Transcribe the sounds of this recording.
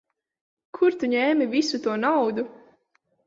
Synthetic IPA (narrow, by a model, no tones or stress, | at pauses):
kʰuɾt̪uɲɛːmivisut̪uɔnawd̪u